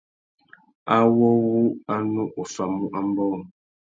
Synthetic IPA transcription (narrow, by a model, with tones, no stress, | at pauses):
a˦wɔ˦wu˦a˦nu˦ʔo˨fa˨mu˦ʔa˨m̩˦bɔː˦˨m